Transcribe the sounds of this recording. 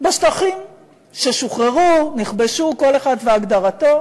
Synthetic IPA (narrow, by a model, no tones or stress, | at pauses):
beʃtaχim | ʃeʃuχʁeʁuniχbeʃuko̞leχadveaɡdaʁato̞